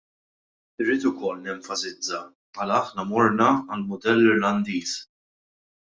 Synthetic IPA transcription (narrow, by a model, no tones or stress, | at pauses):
ɪɾːiːt̪ʊkɔlːnɛɱfɐsɪd͡zːɐ | pħɐlɐɐħnɐmɔɾnɐːlmʊd̪ɛlːɪɾlɐnd̪iːs